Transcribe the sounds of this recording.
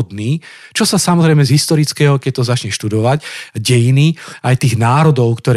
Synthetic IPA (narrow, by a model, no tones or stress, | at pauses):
d̪niː | t͡ʃɔsasamɔzɾɛjmɛzɦist̪ɔɾit͡skɛːɦɔkɛc̚ʲt̪ɔzat͡ʃɲɛʃt̪ud̪ɔʋacɟɛjiniajt̪iːɣnaːɾɔd̪ɔʊkt̪ɔɾɛ